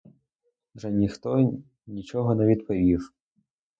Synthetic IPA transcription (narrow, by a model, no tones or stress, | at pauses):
ʐɛnʲixt̪ɔ | nʲit͡ʃɔɦɔnɛʋʲid̪pɔʋʲiʂ